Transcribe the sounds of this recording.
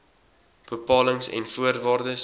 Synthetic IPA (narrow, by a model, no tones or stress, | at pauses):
b̥əpɑːləŋsɛ̰nfuərvɑːrdəs